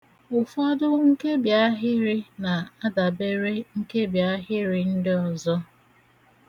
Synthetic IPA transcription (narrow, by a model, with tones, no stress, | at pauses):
ʊ˨fɔ˦dʊ˦ŋ̩˦ke˦bja˦ɦɪ˦ɾɪ˦na˨a˦da˨be˦ɾe˦ŋ̩˦ke˦bja˦ɦɪ˦ɾɪ˨n̩˦dɪ˦ɔ˨zɔ˦